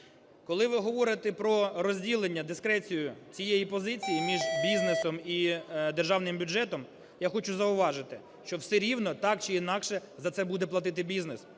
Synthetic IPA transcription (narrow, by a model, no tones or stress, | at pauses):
kɔlˠɪʋɪɦɔʋɔɾɪt̪ɛpɾɔɾɔzʲdʲilˠenʲːɐd̪ɪskɾɛt͡sʲijʊt͡sʲijejipɔzɪt͡sʲijimʲiʒbʲiznesɔmid̪erʒɑwnɪmbʲʊd͡ʒɛt̪ɔm | jaxɔt͡ʃʊzɐʊʋɑʒɪt̪ɪ | ʃt͡ʃɔwsɛɾʲiwnɔt̪ɑk̚t͡ʃɪinɑkʃɛzɐt̪sɛbud̪ɛplˠɐt̪̬ɪt̪̬ɪbʲiznɪs